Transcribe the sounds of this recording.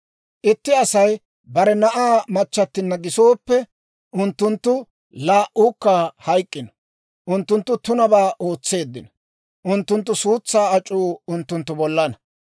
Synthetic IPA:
ʔɪt̪ːɪɐsɐj | bɐɾɛnɐʔaːmɐt͡ʃːɐt̪ːɪnːɐɡɪso̞ːpːɛ | ʔʊnt̪ːʊnt̪ːʊ | laːʔuːkːɐhɐjkʼːɪnɐ̥ | ʔʊnt̪ːʊnt̪ːʊt̪ʊnɐbaːʔo̞ːt͡sːe̞ːd̪ːɪ̰nɐ | ʔʊnt̪ːʊnt̪̬ːʊsuːt͡sːaːɐt͡ʃʼːuːʊnt̪ːʊnt̪ːʊbɔlːɐnɐ

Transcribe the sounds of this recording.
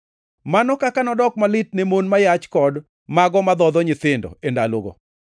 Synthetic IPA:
manɔkakanɔdɔkmalɪt̚nemonmajat͡ʃkɔd | maɡɔmad̪ɔd̪ɔɲɪt̪ɪndɔ̰endaloɡɔ̰

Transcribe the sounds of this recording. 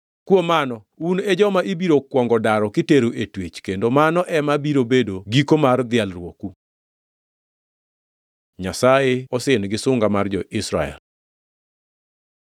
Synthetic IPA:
kwomanɔ | uned͡ʒɔmaʔibiɾokwɔŋɡɔdaɾɔkɪteɾuʔetwet͡ʃkendomanɔʔɛmabiɾobedoɡikomard̪ɪalɾwoku | ɲasajeɔsɪnɡɪsʊŋɡamard͡ʒɔʔɪsɾa̰ɛ̰l

